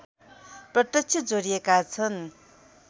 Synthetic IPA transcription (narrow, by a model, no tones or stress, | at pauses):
prʌt̪jʌk̚t͡sʰid͡zoɾijekat͡sʰʌn